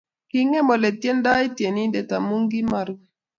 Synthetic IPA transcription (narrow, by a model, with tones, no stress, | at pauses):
kɪ˦ŋɛ˦mɔ˨le˨tje˦nda˦e˦tje˨ni˦de˨ta˨mu˦ŋɡi˦ma˨ɾ